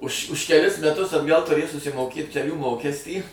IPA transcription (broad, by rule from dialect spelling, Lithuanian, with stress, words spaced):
ʊʃ ʊʃ kʲɛˈlʲɪs mʲɛˈtʊs ɐdˈɡɐlˠ tʊˈrʲeːj sʊsʲɪmoːˈkʲeːt kʲɛˈlʲuː ˈmoːkʲɛsʲtʲiː